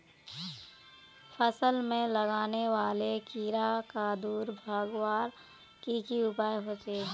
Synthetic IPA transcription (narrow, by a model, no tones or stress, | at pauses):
fʰəsəlmẽlɐɡaːneʋaːlekiːɾakad̪uːɾbʱaːɡwaːɾ | kikiʊpaːjɦoːt͡ʃe